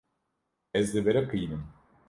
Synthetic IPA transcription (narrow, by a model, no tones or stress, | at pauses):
ɛzd̪ɛbɛɾɛkʰɯjnɯm